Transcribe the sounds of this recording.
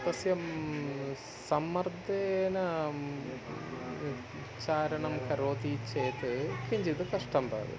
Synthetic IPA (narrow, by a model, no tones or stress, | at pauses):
kɐsjɐm | sɐmːɐrd̪enɐ | t͡ɕaːɾɐɳɐmkɐɾoːt̪it͡ɕːeːt̪ːɨkiɲd͡ʑiðɨkɐʂʈɐmba̰ːʋɨ̰